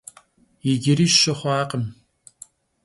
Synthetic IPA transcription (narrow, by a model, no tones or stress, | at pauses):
jɪɡʲɪɾiːʃɐχʷɑːqʼəm